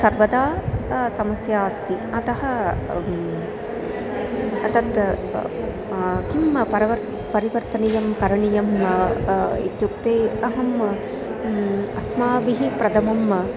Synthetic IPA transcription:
sɐɾʋɐd̪aːsɐmɐsjaːst̪iɐt̪ɐɦɐ̆ | ɐt̪ɐt̪ | kimpɐɾɐʋɐ | pɐɾiʋɐɾt̪ɐnijɐmkɐɾɐɳijɐm | ḭt̪juk̚t̪eːɐɦɐm | ɐsmaːʋiɦipɾɐd̪ɐmɐm

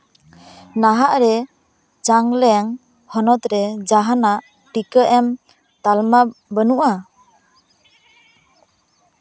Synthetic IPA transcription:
naɦaʔɾɛ | d͡ʒaŋlɛŋ | hɔnɔt̪ɾɛd͡ʒaɦanaʔ | ʈikəʔɛm | t̪almabənuʔa

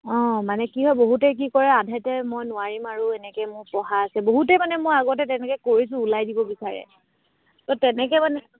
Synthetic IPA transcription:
ɔ̃manɛkiɦɔjboɦutɛk̬ikɔɹɛadʱɛtɛmojnʊaɹimaɹʊɛnɛkɛmʊɹpɔɦaːsɛboɦutɛmanɛmojaɡɔtɛtɛnɛkɛkoɹis̬ʊ̃ːlajdibɔbisaɹɛ̰ | tɔtɛnɛk̬ɛmanɛ

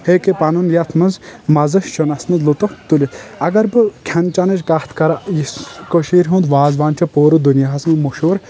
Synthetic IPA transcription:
heːkepɐnɐnjɐt̪ʰmɐnzmɐzɐʃt͡ʃʰonɐsnɐzlut̪ot̪ulʲiɐɡɐɾbɨkʲʰɐnt͡ʃɐnɐd͡ʒkaht̪ʰkɐɾajiskoʃiːɾɦũːnd̪ʋaːzʋaːnt͡ʃʰɐpoːɾud̪unjaɦɐsmɐmoʃoːɾ

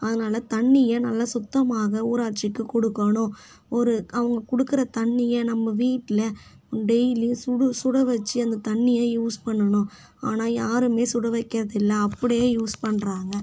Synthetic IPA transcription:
ɐðɯnaːlɐt̪ɐɳːɪjɐnɐlːɐsʊt̪ːɐmaːɣɐuːɾaːʈt͡ʃːɪkːɯkɔɽɯkːɐɳʊ̃ | ɔɾɯɐʋɐŋɡɐkʊɽɯkːɯɾɐt̪ɐɳːɪjɐnɐmːɐʋiːʈːɪlɐ | ɖɛɪlisʊɽɯsʊɽɐʋɛt͡ʃːɯɐnd̪ɐt̪ɐɳːɪjaːjuːspɐɳːɐɳʊ̃ | aːnaːjaːɾɯmeːsʊɽɐʋɐɪkːɪɾɐðɪlːɐːpːɐɽɪjeːjuːspɐɳːɾaːŋɡɐ

